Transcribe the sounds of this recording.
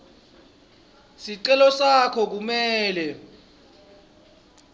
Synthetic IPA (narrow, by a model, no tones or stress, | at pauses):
siǀɛlɔsakʰɔk̬umɛːlɛ